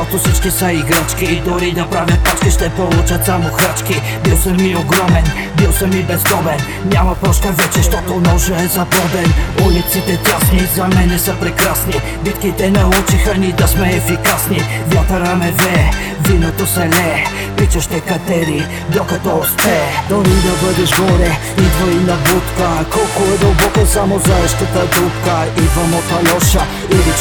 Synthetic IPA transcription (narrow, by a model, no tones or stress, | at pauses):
ɔt̪osəʃt̪ɛsəiɡɾat͡ʃkiːd̪ʊɾid̪ɐpɾavʲjɐt̪̚pat͡ʃk̪iʃt̪ɛpolˠut͡ʃɐt̪samoxɾat͡ʃki | bilˠsəmioɡɾɔmɛn | bilˠsəmibɛzd̪ɔbɛn | nʲamɐpɾɔʃt̪əvɛt͡ʃɛʃt̪ɔt̪onɔʒɛɛzɐpɔd̪ɛnulit̪sit̪ɛt̪ʲasnizɐmɛnɛsəpɾɛkɾasni | bit̪kit̪ɛnɐut͡ʃixɐnid̪ɐsmɛɛfikasni | vʲjat̪ɐɾamɛvɛ | vinot̪osɛlɛ | pit͡ʃɐʃt̪ɛkɐt̪ɛɾi | d̪okɐt̪ɔuspɛd̪ɔɾid̪ɐbɤd̪ɛʃɡɔɾɛ | id̪vɔinɐbut̪kəkɔlˠkoɛd̪əlˠbɔkəsamozaɔʃk̪ət̪əb̪ut̪kəid̪vɐmɔt̪alɔʃɐ | ili